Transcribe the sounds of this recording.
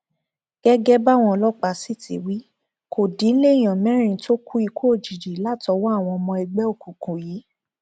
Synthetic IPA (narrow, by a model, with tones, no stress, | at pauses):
ɡ̥ɛ˦ɡɛ˦ba˦˨w̃ɔ̃˧lɔ˦k͡pa˧˨si˦˨tʰi˨wi˨˦ | kʰo˨dĩ˨˦n̩˦le˦˨j̃ɔ̃˨mɛ̃˦ɾ̃ĩ˦˧˨to˦kʰu˦i˧kʰo˦o˦˨d͡ʒi˨d͡ʒi˨la˦˨tɔ˧˦wɔ˦a˦˨w̃ɔ̃˧ɔ˧mɔ̃˧ɛ˧ɡ͡bɛ˦o˦˨ku˨kũ˨jiː˨˦